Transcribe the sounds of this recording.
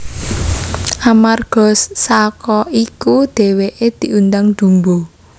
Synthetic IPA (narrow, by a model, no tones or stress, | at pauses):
ʔamarɡ̥ɔ̤sːakɔikud̪̥e̤weʔed̪̥i̤ʔund̪aŋd̪̥ṳmbo